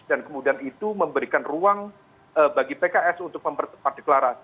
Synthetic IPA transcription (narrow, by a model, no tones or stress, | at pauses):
d̥ankəmudianit̪uməmbəɾikanruaŋ | əbaɡipekaʔɛsunt̪ʊk̚məmpərt̪əpar̚d̥eklaɾasi